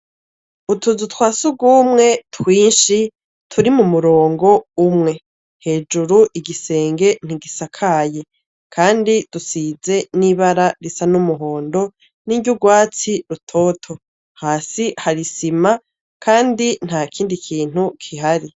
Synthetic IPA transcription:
utuzutwaːsuɡuːmŋe̞tʰwiːnʃi | tʰuɾimumuɾo̞ːŋɡo̞umŋe̞ | he̞ːd͡ʒuɾuʔiɡise̞ːŋɡe̞n̥iɡisakʰaje̞ | kʰaːndid̥usize̞niβaɾaɾisanumuɦo̞ːndo̞ | niɟuɡwaːt͡siɾutʰo̞ːtʰo̞ | haːsihaɾisima | kʰaːndin̥haːkʰiːndikʰiːn̥hukʰiɦaɾi

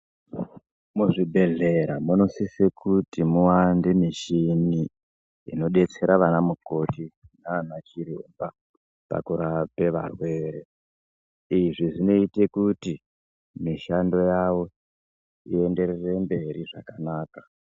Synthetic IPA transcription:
muʐibʱe̞ɮe̞ɾamuno̞sisekʰutimuwandemiʃini | ḭno̞ɗe̞t͡se̞ɾaʋanamuko̞tinaːnat͡ʃiɾiṵmba | pa̰kuɾape̞ʋa̰rwe̞ːɾe̞ | iʐiʐino̞ite̞kuti | miʃando̞jawo̞ | ie̞nde̞ɾere̞mbe̞ɾiʐa̰kanaːka

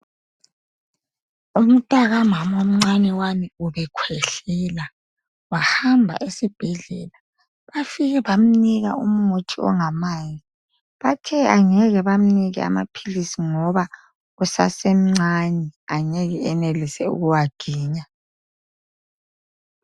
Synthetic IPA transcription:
um̩tʼaɣamamom̩ŋ͡ǀanɛwamiuβɛkʰwɛɬɛla | wahambʱa̰ʔesib̥ʱɛɮɛ̰la | βafiɣɛβam̩niɣa̰um̩motʰiɔ̰ŋamaji | βatʰɛaŋɛɣɛβam̩niɣɛa̰ma̰pʰilisiŋɔβa | ɣusa̰sem̩ŋ͡ǀanɛaŋɛɣɛɛnelisɛṵɣuwaɡ̥ʱiːɲa

